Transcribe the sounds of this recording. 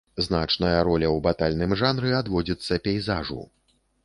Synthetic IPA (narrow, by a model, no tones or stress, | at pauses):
znat͡ʂnɐjɐɾɔlʲɐwbat̪alʲnɨmʐanɾɨad̪vɔd͡zʲit̪sːɐpʲɛjzaʐṵ